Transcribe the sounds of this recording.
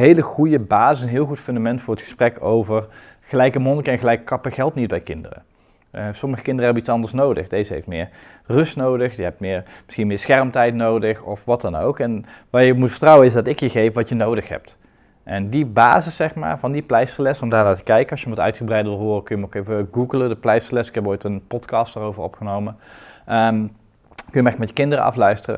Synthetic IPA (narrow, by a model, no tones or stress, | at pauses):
ɦejləχujəbaːzəsənɦɪːlˠxutfɵndamɛntfʊːrətχə̥sprɛkowvər | χəlɛjkəmɔnkəɛnχəlɛjkə̥kɑpəɣɛlˠtnid̚bɛjkɪndə̰rə̰ | əsɔməχəkɪndərəɦɛbəit͡ssɑndəɹsnowdə̰χdejzəɦḛjftmɪːr | rɵstnowdəχdiɦɛp̚tmɪːrmɪ̥sxinmɪːɹsxɛrmtɛjtnowdəχɔfʋɑtdɑno̰wkɛn | ʋajəmutfə̥ɹtrɑwənɪsdɑtɪkjəɣejfʋɑtjənowdəxɦɛ̰p̚t | ʔɛndibaːzəsːɛxma̰ːɹvɑndiplɛjslɛsɔmdaːnaːtə̥kɛjkəɑsjəmɑtœ̰ɥtχəbrɛjdəʋɪlˠɦʊːrəkɵjəmokejvəɡuɡələdəplɛjsəlɛsɪkɦɛpojtənpɔtkɑstaːrowvərɔ̰pχənowməʔə | kɵjəmɛrkəkmɛtə̥kɪndərə̰ɑ̰flœɥstərə̰